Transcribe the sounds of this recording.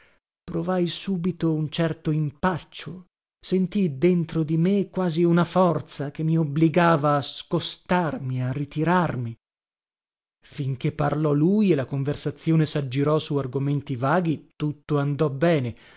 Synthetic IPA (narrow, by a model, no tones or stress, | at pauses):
pɾovajsuːbit̪ount͡ʃɛrt̪oimpat͡ʃːo | sent̪id̪ent̪ɾod̪imekːwaːziunafɔrt̪sak̟emːiobliɡaːvaːskost̪armiarit̪iɾarmi | fiŋk̟epːarlɔlujelakoɱversat̪sːjoːnesad͡ʒːiɾɔsuarɡoment̪ivaːɡit̪ut̪ːoand̪ɔbɛːne